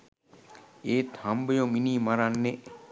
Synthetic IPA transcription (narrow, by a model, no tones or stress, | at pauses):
eːt̪ʰambejominiːmaɾanːe